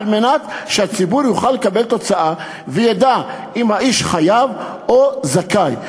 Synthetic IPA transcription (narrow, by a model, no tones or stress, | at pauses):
lmenat̪ʃehat͡sibuɾjuχalːekabe̞lt̪o̞t͡saʔa | vejad̪a | imhaʔiʃχajav | ozakaj